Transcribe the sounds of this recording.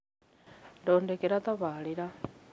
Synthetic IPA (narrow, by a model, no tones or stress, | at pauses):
doːndekeɾat̪aβaːliɾa